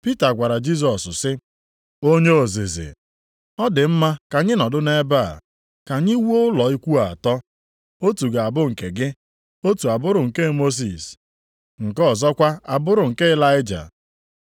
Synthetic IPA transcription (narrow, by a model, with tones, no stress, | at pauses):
pi˦ta˨ɡʷa˨ɾa˨d͡ʒi˦s̬ɔ˨sʊ˨sɪ˦ | o˦ɲe˦o˨zḛ˨zḛ˨ | ɔ˦dɪ˨m̩˦ma˦ka˨ɲɪ˦nɔ˨dʊ˦ne˦ba̰˦˨ | ka˨ɲi˦wu˦o˦ʊ˦lɔ˨i˦kʷu˦a˨a˨tɔ˦ | o˦tu˨ɡa˨a˨bʊ˦ŋ̩˨ke˨ɡɪ˦ | o˦tu˨a˨bʊ˦ɾʊ˨ŋ̩˨ke˦mo˦s̬ḭ˨s | ŋ̩˨kɔ˦˨zɔ˦kʷa˦a˨bʊ˦ɾʊ˨ŋ̩˨ke˦ɪ˦la˦ɪ˦d͡ʒa̰˨